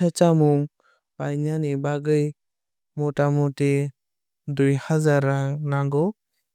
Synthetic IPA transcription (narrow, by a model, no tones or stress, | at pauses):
at͡ʃamuŋ | pajnanibaɡɯj | mɔtamɔte | dujhazaɾanaŋɡɔ